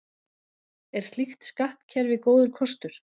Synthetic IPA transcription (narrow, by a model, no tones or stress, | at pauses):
ɛɾ̥st̪lixt̪skaht̪cʰɛɾvɪðkoːwðʏɾkʰɔst̪ʏɾ̥